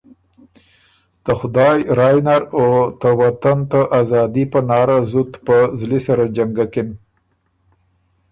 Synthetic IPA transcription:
t̪əxʊd̪ɑjɾɑjnaɾot̪əwat̪ant̪aʔazɑd̪ipənɑɾazut̪pəzlisaɾad͡ʒaŋɡakɪn

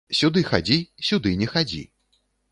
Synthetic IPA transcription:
sʲud̪ɨxad͡zʲisʲud̪ɨnʲɛxad͡zʲḭ

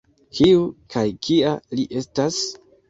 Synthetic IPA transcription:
kʰiukʰajkʰialiʔe̞stas

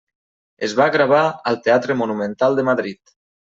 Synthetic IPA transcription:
ezβaɣɾaβ̞aəlˠt̪eat̪ɾəmunumə̃nt̪alˠd̪əmaðɾit̪

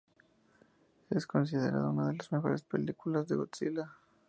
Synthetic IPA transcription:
esko̞ns̬ið̞e̞ɾa̰ðounaðe̞lazme̞xo̞̰ɾespe̞likulazðeɣot̪sila

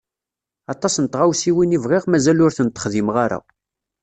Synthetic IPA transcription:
ɑt̪ˤɑsnət̪ʁawsiwinivʁiʁmæzælʊɾθənt̪ːə̥χðimʁaɾa̰

